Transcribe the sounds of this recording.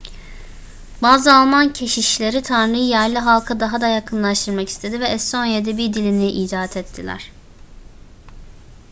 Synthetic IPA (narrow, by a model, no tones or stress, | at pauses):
baːzɯalˠmancʰe̞ʃiʃlʲe̞ɾit̪ʰanɾɯjɯjæɾlʲiɦalˠkʰad̪aɦad̪ajakʰɯnlˠaʃt̪ʰɯɾmakist̪ʰe̞d̪ivɛɛst̪ʰo̞njed̪ɛbiɾd̪ilʲiniʔiːd̪aːt̪ʰɛt̪ʰːilʲæ̰ɾ̥